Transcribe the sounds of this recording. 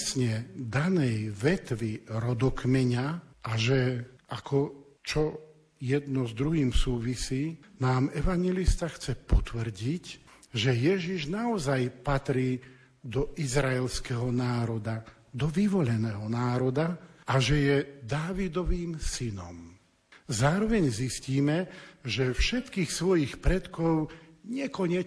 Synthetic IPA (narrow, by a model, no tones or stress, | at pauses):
sɲɛd̪anɛjʋɛt̪ʋiɾɔd̪ɔkmɛɲaaʒɛʔakʰɔ | t͡ʃɔ | jɛd̪nɔzd̪ɾuɦiːmsuːʋisiːnaːmɛʋaɲjɛlist̪axt͡sɛpɔt̪ʋr̩ɟic | ʒɛjɛʒiʒnaɔzajpat̪ɾiː | d̪ɔʔizɾaɛlskɛɦɔnaːɾɔd̪a | d̪ɔʋiʋɔʎɛnɛːɦɔnaːɾɔd̪aaʒɛjɛd̪aːʋid̪ɔʋiːmsinɔ̰m | zaːɾɔʋɛɲzisciːmɛʒɛfʃɛt̪kiːxsʋɔjixpɾɛt̪kɔʊɲɛkɔɲɛ